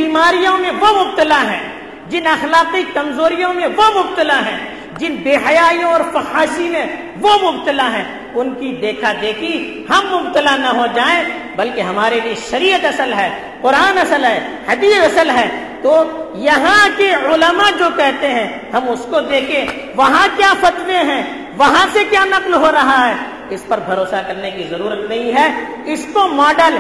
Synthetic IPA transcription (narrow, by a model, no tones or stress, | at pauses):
biːmaːɾijõmẽʋomʊb̚t̪əlaɦɛ̰̃ | d͡ʒɪnɐxlaːqikɐmzoːɾijõmẽʋomʊbt̪əlaɦɛ̃ | d͡ʒɪnbeːɦɐjaːijõɔːɾfɐxaːʃimẽ | ʋomʊbt̪əlaɦɛ̃ | ʊnkid̪eːkʰad̪eːkʰi | hɐmːʊb̚t̪əlanɐɦod͡ʒaːẽ | bɐlkeɦɐmaːɾelieʃɐɾiːət̪ɐsəlɦɛː | pʊɾaːnɐsəlɦɛːhɐd̪iːəsɐsəlɦɛːt̪oːjɐɦãkeʊləmad͡ʒoːkɛɦt̪eɦɛ̃ | hɐmʊskod̪eːkʰẽ | ʋɐɦãkjafɐt̪ʋeɦɛ̃ː | ʋɐɦãsekjaːnɐqlɦoɾɐɦaɦɛː | ɪspɐɾbʱɐɾoːsakɐɾnekizɐɾuːɾət̪nɐɦĩɦɛː | ɪskomɔːɖəl